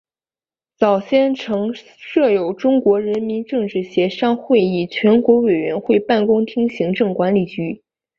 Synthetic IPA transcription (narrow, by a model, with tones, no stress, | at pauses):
t͡sɑ˨˩ʊɕjɛ˥˩nʈ͡ʂʰɤ˧˥ŋ | ʂɤ˥˩jo˨˩ʊʈ͡ʂʊ˥ŋkwɔ˧˥ɻə˧˥nmi˧˥nʈ͡ʂɤ˥˧ŋʈ͡ʂɻ̩˥˩ɕjɛ˧˥ʂɑ˥ŋxwe˥˧ɪi˨˩t͡ɕʰɥɛ˧˥nkwɔ˧˥we˨˩ɪɥɛ˧˥nxwe˥˧ɪpa˥˩nkʊ˥ŋt̪ʰi˥ŋɕi˧˥ŋʈ͡ʂɤ˥˩ŋkwa˧˥nli˨˩t͡ɕy˧˥